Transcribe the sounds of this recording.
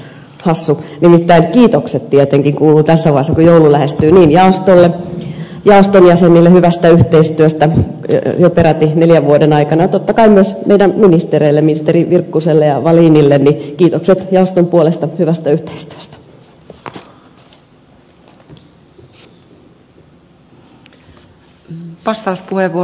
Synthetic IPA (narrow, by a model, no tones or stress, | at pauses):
hɑsːunimit̪ːæiŋkiːt̪okset̪t̪iet̪eŋkiŋkuːlut̪æsːæʋɑesːɑkujoululæhest̪yːniːnjɑost̪olːe | jɑost̪onjæsenilːehyʋæst̪æyht̪eist̪yøst̪æ̰ | jopeɾɑt̪ineljæʋʋuodenɑikɑnɑɑt̪ot̪ːɑkɑimmyøsmeidæmminist̪ereilːeminist̪eriʋirkːuselːejɑʋɑliːnilːenːikiːt̪okset̪jɑost̪ompuolest̪ɑhyʋæst̪æyht̪e̥ist̪y̥ø̥st̪æ̥ | ʋɑst̪ɑuspuheʋːu